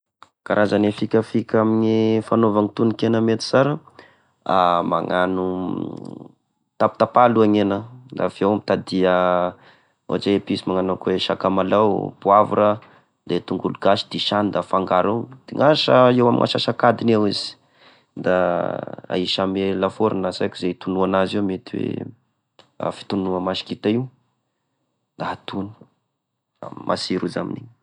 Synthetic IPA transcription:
kaɾazanefikʲafikʲaminifanovanit̪unikenəmet̪i̥saɾə | ama̰ŋanu | t̪ap̚t̪apaluaŋenəd̪afiewamit̪ad̪iə | o̰aʈ͡ʂepisimaŋanakweʃakamalawpuavuɾə | d̪et̪uŋɡuluɡaʃi̥d̪̥iʃand̪afaŋɡaɾewd̪̥iŋaʃəewamŋʔa̰ʃaʃakad̪inewizi̥ | d̪a | a̰iʃamelafoɾinasajkuzeit̪unuanazimet̪iwḛ | a̰fi̥t̪unuəmaʃi̥kit̪aiw | d̪aat̪unu̥̰ | mʔa̰siɾuzamḭnḭɲ

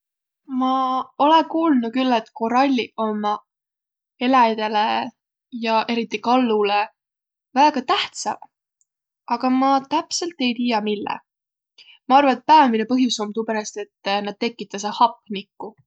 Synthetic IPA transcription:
mɑo̞lekuːlnukylːet̪ko̞ɾɑlʲːio̞mɑ | e̞læd̪̥e̞le | jɑʔe̞ɾit̪ːˑikɑlːule | væːɡ̥ɑt̪æht̪sɑ̰v | ɑɡ̥ɑmɑt̪æpse̞lt̪ːˑe̞jt̪iːjɑmilːḛ | mɑɑrvɑet̪̚pæːminepɤɦjuso̞mt̪upeɾɑst̪e̞t̪ːnɑd̪̥̚t̪e̞kːˑit̪ːˑɑs̬ehɑpːˑnikːu

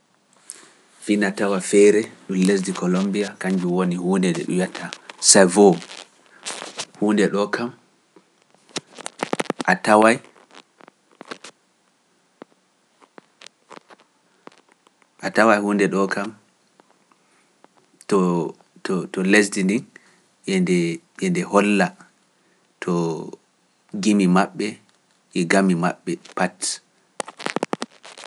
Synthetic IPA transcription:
vinatawafɛɾɛɗumlesdikɔlombiakaɲd͡ʒuwonihuːndɛdɛ̰ɗṵjatʰasajvɔ | huːndɛɗɔkʰam | ʔatawaj | ʔatawajhundɛɗɔkam | tɔ | tɔtɔles̬dindin | ʔɛndɛ | ɛndɛhɔlːa | tʰɔ | ɡimimaɓːɛ | ʔɛɡamima̰ɓːɛpat

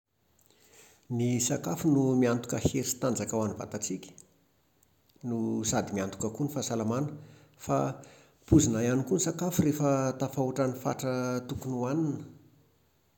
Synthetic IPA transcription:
nisakafunumiant̪u̥kəheɾisi̥t̪and͡zakawaniva̰t̪at͡sikʲə̥ | nusad̪imiant̪u̥kəkunifasalamanə̥ | fa | puzinajanikunisakafurefət̪afauʈ͡ʂanifa̰ʈ͡ʂət̪ukunuaninə

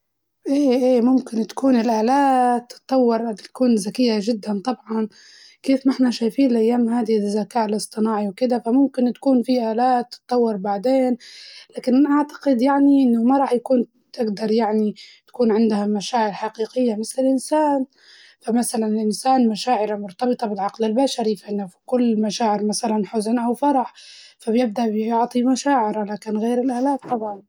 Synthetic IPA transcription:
ʔeːʔeːmʊmkɪnt̪kuːnɪlʔaːlaːt̪ːɨ̥t̪ˤːɑwːɪɾˤt̪kuːnzakɪjːaʒɪd̪ːant̪ˤɑbʕɑn | keːfnɪħnaʃaːjfiːnɪlʔajːaːmɦaːd̪izːakaːʔɪlʔɨsˤt̪ˤɨnɑːʕiwkɪd̪afamʊmkɪnt̪ḁkuːnfiʔaːlaːt̪ːɨ̥t̪ˤːɑwːɑɾˤbaʕd̪eːnlaːkɪnʔaʕt̪ḁqɪd̪jaʕniʔɪnːʊmaɾˤɑːħjakuːn | t̪ɪɡd̪ɑɾˤjaʕnit̪ḁkuːnʕɪnd̪hamaʃaːʕɪɾħaqiːqɪjːamɪθlɪlʔɪnsaːn | famasalanɪlʔɪnsaːnmaʃaːʕɪɾamʊɾt̪ɑbɨt̪ˤɑbɪt̪ʕɑqlɪlbaʃaɾifʔɪnːafi̥kʊlːmaʃaːʕɪɾmasalanħʊznʔawfɑɾˤɑħfabjɪb̚d̪aʔbjjʊʕt̪ˤimaʃaːʕɪɾalaːkɪnɣeːɾɪlʔaːlaːt̪ˤːɑbʕɑn

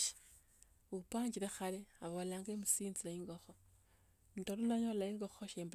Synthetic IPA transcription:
upaːɲd͡ʒiɾexaleaβolaːŋɡemusiːnzilaiŋɡoxo | ntoɾulaɲolaiŋɡoxoʃeːmb

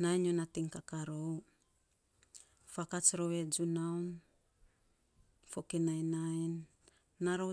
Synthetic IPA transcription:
naiɲonatiŋkakaɾow | fakat͡ʃɾowed͡ʒunawn | fokinajnainː | aɾo

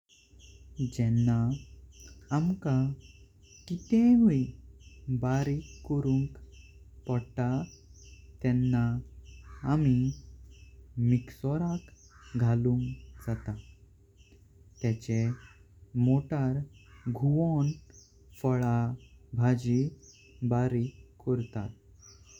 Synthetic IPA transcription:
d͡ʑɛnːaː | mka | kit̪ẽʋi | baɾikːɔɾũŋk | pɔɽʈa | t̪ɛnːaː | mi | miksɔɾak | ɡʱaluŋkd͡zat̪a | t̪ɛt͡ɕe | moʈaɾɡʱuon | fəɭabʱad͡ʑi | baɾikːɔɾt̪a̰t̪̚

